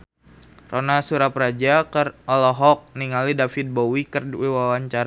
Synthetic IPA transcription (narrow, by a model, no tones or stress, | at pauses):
rʔonasuɾapɾad͡ʒakərɔlɔɦɔk̚niŋalidafit̪̚bowikərwiwawaɲt͡ʃaɾa